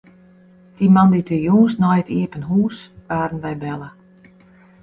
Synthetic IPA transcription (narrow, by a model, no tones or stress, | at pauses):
d̥imanditʰəjuːsnɔjətiəpənɦuːsʋaːɾən̩ʋɛjbɛlˠə